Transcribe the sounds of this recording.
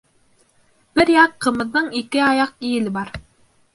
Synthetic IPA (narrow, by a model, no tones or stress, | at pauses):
b̥ɘɾjɑqʰːɤ̆mɤ̆ðːɤɴikɘɑjɑq̚ijɘ̆lɘbɑɾ